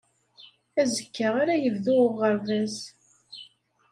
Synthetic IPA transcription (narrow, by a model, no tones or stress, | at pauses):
æzəkːəʁaɾajəvðʊʁəɾvæz